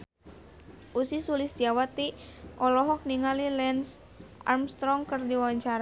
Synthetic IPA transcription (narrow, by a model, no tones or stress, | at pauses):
ʔusisulɪsdiawat̪iʔɔlɔɦɔk̚niŋalilɛns | a̰rmst̪ɾɔŋkərdiwawaɲt͡ʃaɾa